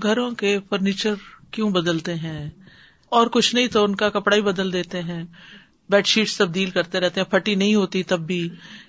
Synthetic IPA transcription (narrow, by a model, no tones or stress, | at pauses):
ɡʱɐɾõkefəɾniːt͡ʃəɾkjõːbɐd̪əlt̪eɦɛ̃ː | ɔːɾkʊt͡ʃʰnɐɦĩt̪oʊnkakɐpɽaːibɐd̪əld̪eːt̪eɦɛ̃ː | bɛːʈʃiːʈst̪ɐb̚d̪iːlkɐɾt̪eɾɛɦt̪eɦɛ̃ːpʰɐʈinɐɦĩɦoːt̪it̪ɐbːiː